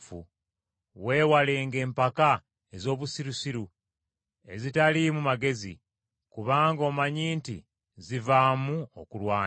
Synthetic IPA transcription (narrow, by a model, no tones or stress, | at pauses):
fṵ | we̞ːwale̞ːŋɡe̞ːmpaka | e̞zo̞ːβusiɾusiɾu | e̞̰zitalimumaɡe̞zḭ | kuβaːŋɡo̞ːmaɲiːntḭ | zivamuo̰kulwaː